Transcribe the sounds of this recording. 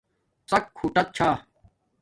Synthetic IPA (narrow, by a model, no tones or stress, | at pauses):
t͡sɐkʰːuːʈɐt̪̚t͡ɕʰaː